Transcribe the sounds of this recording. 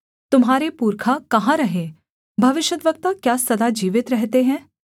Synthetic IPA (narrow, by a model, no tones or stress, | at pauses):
t̪ʊmɦaːɾepuːɾkʰakɐɦãɾɐɦẽː | bʱɐʋɪʃjət̪ʋɐk̚t̪akjaːsɐd̪ad͡ʒiːʋɪt̪ɾɛɦt̪eɦɛ̃ː